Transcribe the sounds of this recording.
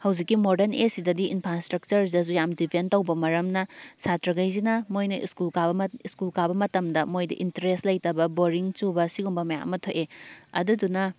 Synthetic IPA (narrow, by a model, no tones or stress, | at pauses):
hɐwzikːimodɐnesidɐdiʔinpʰɾastɾɐk̚t͡ʃɐɾɐz̬ujamdipʰentɐwbɐmɐɾɐmnɐsatɾɐɡɐjzinɐmojnɐʔḭskulkabiskulkabɐmɐtɐmdɐmojdɐ̰ʔintɐɾestlɐjtɐbɐboɾiŋt͡ʃubɐsiɡumbɐmɐja̰ʔɐ̰mːɐtʰoʔeɐ̰dudunɐ